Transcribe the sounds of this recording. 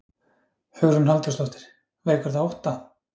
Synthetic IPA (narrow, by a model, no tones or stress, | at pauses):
hœɣɾʏnhalt̪ʏst̪lɔht̪ɪ̥ɾ̥ | veːjkʏɾ̥θaowht̪a